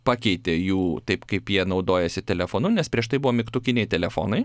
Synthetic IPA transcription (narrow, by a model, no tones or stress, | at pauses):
pɑːkʲɛɪt̪ʲeːjuːt̪ɐɪpkɐɪpjiɛnɐʊd̪oːjɛsʲɪt̪ʲɛlʲɛfoːnʊnʲɛspʲɾʲiɛʃt̪ɐɪbʊʋoːmʲɪkt̪ʊkʲɪnʲɛɪt̪ʲɛlʲɛfo̰ːnɐɪ